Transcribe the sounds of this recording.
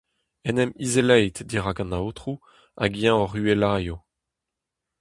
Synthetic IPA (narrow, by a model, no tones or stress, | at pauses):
ɛnɛmizelɛjt̪diʁaɡɑ̃naot̪χu | a̰ɡijãɔʁyelaːjo